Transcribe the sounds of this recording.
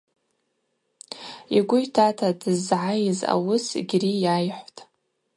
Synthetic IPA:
iɡʷʊjtʰatʰadɨzʕajza̰wʊsɡʲrijajħʷtʼ

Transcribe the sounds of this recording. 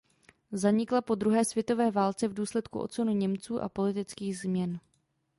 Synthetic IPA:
zaɲɪklapo̞d̪ɾuɦɛːsvjɛt̪o̞vɛːvaːlt͡sɛvduːslɛt̪kṵʔo̞̰t̪t͡sonuɲɛmt͡suːʔa̰po̞lɪt̪ɪt͡skiːɣzmɲɛn

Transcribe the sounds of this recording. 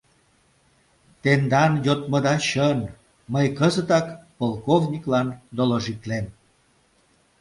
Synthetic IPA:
t̪end̪ɑnjot̪məd̪ɑɕən | məjkəzət̪ɑkpolˠkovnʲiklɑnd̪oloʒit̪lem

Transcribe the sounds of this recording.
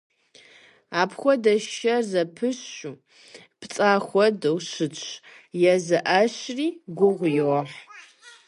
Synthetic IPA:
aːpxʷɔdɐʃɐzɐpʰɨɕu | pʰt͡sʼaːxʷɔdɐwɕɨt͡ʃ | jɛzɐʔaɕriːɡʷʊʁʷjɪwɔħ

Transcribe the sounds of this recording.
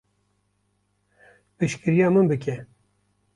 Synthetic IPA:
pɨʃkɨɾjɑːmɨnbɨkʲɛ

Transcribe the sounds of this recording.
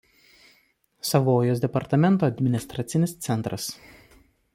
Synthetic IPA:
sɐʋoːjoːsd̪ʲɛpɐɾt̪ɐmʲɛnˑt̪oːɐd̪ʲmʲɪnʲɪst̪ɾɐt̪sʲɪnʲɪst̪sʲɛnˑt̪ɾɐs

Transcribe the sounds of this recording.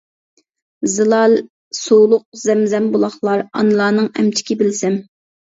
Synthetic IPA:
zɨlˠɑlˠ | sowlˠʊq̚zɛmzɛmbolˠɑχlˠɑɾɑ̰nɨlˠɑːnɨŋɛ̰mt͡ʃʰɪ̥kʲibɪlsɛm

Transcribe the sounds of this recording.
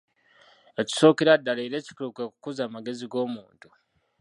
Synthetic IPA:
e̞ci̥so̞ːkeɾadːaleɾe̞ːci̥kuɾukeku̥kuzaːmaɡe̞ziɡo̞ːmuːntu

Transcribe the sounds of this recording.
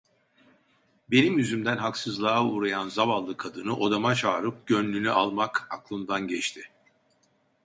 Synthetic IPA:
be̞nimjyzymd̪ænɦaksɯzlˠaːuːɾajanzaβalˠːɯkʰad̪ɯnɯʔo̞d̪amat͡ʃʰaːɾɯp̚ɟønlʲynyʔalˠmakaklˠɯmd̪anɟɛt͡ʃt̪ʰɪ

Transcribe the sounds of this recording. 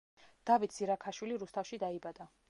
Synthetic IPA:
d̪̥avit̪ʰsiɾakʰaʃwiliɾust̪ʰafʃid̪aibad̪̥a

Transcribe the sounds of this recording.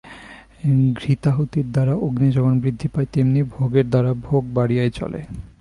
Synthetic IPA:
ɡɾit̪aɦot̪iɾd̪aɾaʔoɡnid͡ʑɔbonbɾid̪ʱːipaet̪emnibʱoɡeɾd̪aɾabʱoɡ̚baɽiaejt͡ɕɔ̰lḛ

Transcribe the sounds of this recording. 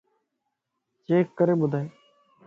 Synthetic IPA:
t͡ʃeːkːəɾeːbʊd̪ʱaːeː

